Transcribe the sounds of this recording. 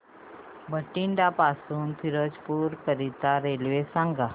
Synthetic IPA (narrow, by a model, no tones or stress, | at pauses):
bəʈiɳɖapasuːnfʰiɾod͡ʑpuːɾkəɾit̪aɾelʋesãŋɡa